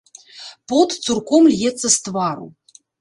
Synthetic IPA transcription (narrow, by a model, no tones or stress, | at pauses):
pɔt̪surkɔmlʲjɛt̪sːɐst̪vaɾṵ